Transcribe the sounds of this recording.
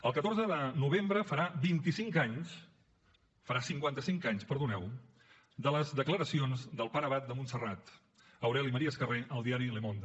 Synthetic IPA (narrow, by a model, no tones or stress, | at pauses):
əlˠkət̪orzəðənuβ̞embɾəfəɾabint̪isiŋkaɲs | fəɾasiŋkwant̪əsiŋkaɲspəɾðunɛw | d̪ələzðəkləɾəsionzd̪əlˠpəɾəβ̞at̪̚d̪əmunsərat̪ | əwɾɛliməɾiəskəreʔəlˠd̪iaɾilemond̪ə